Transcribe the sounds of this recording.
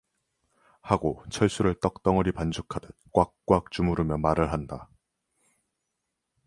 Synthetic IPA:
haɡot͡ɕʰʌɭs͈uɾɯɭt͈ʌk̚t͈ʌŋʌɾipand͡ʑʰukʰadet̚k͈wak̚k͈wak̚t͡ɕ͈umuɾɯmjʌmaɾɯɭɦanda

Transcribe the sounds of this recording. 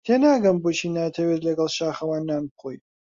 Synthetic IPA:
t̪ʰeːnaːɡɐmbot͡ʃʰiːnat̪ʰɐwet̪lɐɡɐlˠʃaːχɐwaːnːaːnbχoj

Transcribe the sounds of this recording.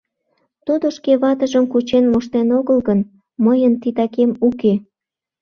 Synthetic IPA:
t̪ud̪oʃkeβɑt̪əʒəmkut͡ɕenmoʃt̪enoɣəlɣən | məjənt̪it̪ɑkemuke

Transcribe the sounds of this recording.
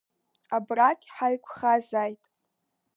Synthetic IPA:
abrakʲʼħajkʷʰχazajtʼ

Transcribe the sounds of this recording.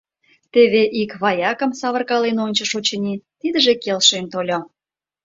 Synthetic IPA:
t̪eβeʔikβɑjɑkə̆msɑβə̆rkɑlenonʲt͡ɕə̆ʃot͡ɕənʲit̪id̪əʒekelʃent̪olʲo

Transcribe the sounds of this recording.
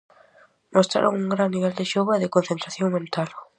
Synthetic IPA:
most̪ɾa̰ɾo̰ŋuŋɡɾanniβ̞ɛld̪eʃoβaðɪkonθẽnt̪ɾaθjoŋmẽnt̪al

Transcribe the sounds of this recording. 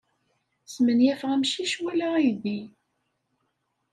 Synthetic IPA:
smənjæfʁæmʃiʃwælaiði

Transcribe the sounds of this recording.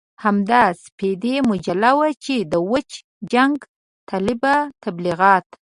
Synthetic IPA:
hamd̪ɑsped̪emʊd͡ʒalawat͡ʃed̪əwət͡ʃ | d͡ʒaŋɡ | t̪ɑlɪbat̪abliɣɑt̪

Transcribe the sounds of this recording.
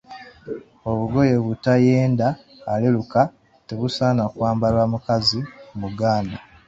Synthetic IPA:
o̞βuɡo̞je̞βutaje̞ːndaː | leluka | te̞βusaːnakwaːmbalwamukazimuɡaːna

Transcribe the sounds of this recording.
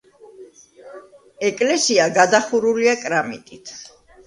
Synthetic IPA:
ɛkʼlɛsiaɡad̪aχuɾuliakʼɾamḭt̪ʼit̪ʰ

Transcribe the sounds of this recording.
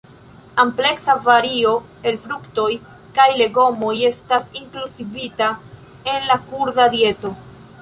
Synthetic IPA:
ample̞ksavaɾio̞ | e̞lfɾukto̞j | kajle̞ɡo̞mo̞je̞stasiŋkluzivita | e̞nlakuɾdadie̞to̞

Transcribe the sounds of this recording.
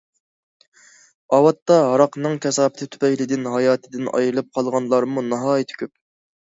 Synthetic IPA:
ɑwɑt̪ːɑɦɑɾɑqnɨŋkʲʰɛsɑːpɪt̪ʰɪt̪ʰy̥pɛjlɪd̪ɪnɦɑjɑːt̪ʰɪd̪ɪnɑ̰jɾlˠɨp̚qʰɑlˠʁɑnlˠɑɾmunɑɦɑːjit̪ʰy̥kʲʰyp̚

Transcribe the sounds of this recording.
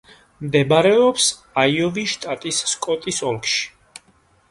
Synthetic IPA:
md̪ɛbaɾɛɔps | aiɔviʃt̪ʼat̪ʼisːkʼɔt̪ʼisɔlˠkʰʃi̥

